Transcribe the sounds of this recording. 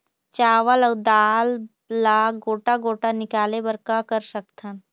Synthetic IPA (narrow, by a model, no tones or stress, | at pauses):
t͡ʃaːʋələːd̪aːlː | aɡoːʈaɡoːʈanɪkaːlebɐɾkakəɾsəkt̪ʰən